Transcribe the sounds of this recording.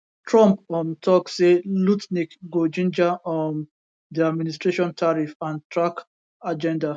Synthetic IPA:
tʰɹɔ̃mpɔ̃mtʰɔkselutnikɡod͡ʒĩnd͡ʒaɔn | diadministɹeʃɔ̃ntʰaɹifãntʰɹak | ad͡ʒɛ̃nda

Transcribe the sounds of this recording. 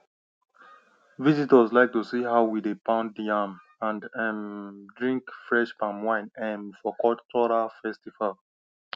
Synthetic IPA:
vizitəzlaɪk̚tusihaʊwidepãʊ̃ndiãm | ãndɛmdɹĩŋkfɹɛʃpãmwãɪ̃nɛ̃mfɔkɔtʰɔɹafɛstival

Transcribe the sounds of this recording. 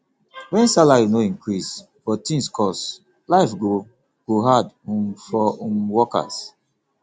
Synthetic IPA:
wɛ̃nsalajunoĩŋkɹis | fɔtĩnskʰɔs | laɪfɡo | kuɦadũmfɔũmwɔka̰s

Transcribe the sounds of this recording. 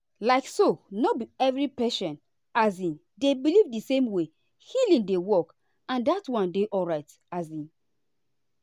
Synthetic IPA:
laɪksonobiɛvɹipɛʃɔ̃n | azĩn | debilivdisẽmwe | hilĩŋdewɔk | ãndatwɔ̃ndeʔɔlɹaɪt | azĩn

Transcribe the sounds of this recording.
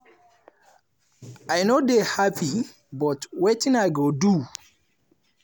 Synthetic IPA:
ajnodehapʰi | bɔtwetĩnaɪɡodu

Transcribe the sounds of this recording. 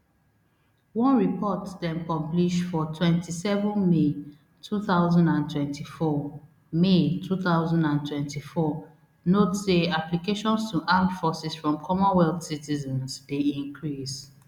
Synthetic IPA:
wɔ̃nɹipɔtdɛ̃mkɔ̃mpliʃfɔtʰwɛ̃ntʰisɛvɔ̃nme | tʰuθaʊzɔ̃ndãntʰwɛ̃ntʰifɔ | metʰuθaʊzɔ̃ndãntʰwɛ̃ntifɔ | notseaplikeʃɔ̃nstuʔãnfɔsisfɹɔ̃mkʰɔmɔ̃nwɛldsitizɔ̃nsdeĩŋkʰɹis

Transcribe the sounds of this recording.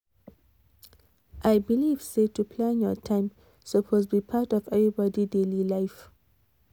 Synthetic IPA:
ʔajbiliv̥setupʰlãnjɔtʰãɪ̃m | səpʰosbipʰatɔvɛvɹibɔdidelilaɪf

